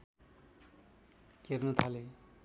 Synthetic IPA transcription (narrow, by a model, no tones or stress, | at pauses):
kernʌt̪ʰale